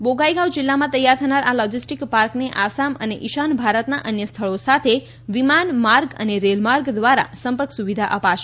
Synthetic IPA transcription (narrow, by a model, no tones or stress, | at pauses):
boɡaiɡawd͡ʒilːamãt̪əjːaɾt̪ʰənaɾalɔd͡ʒisʈikpaɾkneʔasaməneʔiʃanbʱaɾət̪naʔənjəst̪ʰəɭosat̪ʰe | ʋimanmaɾɡə̰neɾelmaɾɡd̪ʋaɾa̰səmpəɾksuʋid̪ʱaʔəpaʃ